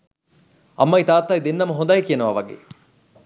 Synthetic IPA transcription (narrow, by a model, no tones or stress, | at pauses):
ɐ̰mːɐjt̪aːt̪ːaːjd̪enːɐmɐɦõnd̪ajkijɐnɐʋɐʋɐɡḛː